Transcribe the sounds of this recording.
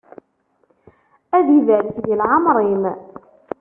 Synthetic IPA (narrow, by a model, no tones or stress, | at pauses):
æðivælθʝəlʕɑmɾˤim